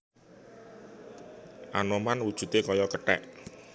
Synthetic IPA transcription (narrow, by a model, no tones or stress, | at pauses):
ʔa̰nɔmanwud̥ʒ̥ṳt̪ekɔjɔkəʈɛ̰ʔ